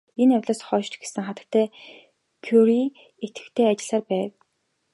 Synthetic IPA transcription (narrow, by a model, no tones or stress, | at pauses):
enæwʲɮaːsχɔːʃt͡ɕ̪ɡe̥sɘ̆ŋχat̪ə̥̆kt̪ʰːæː | kʰjuɾi | et̪ɡɘ̥̆kt̪ʰeːat͡ɕɪ̆ɮaːrpæːw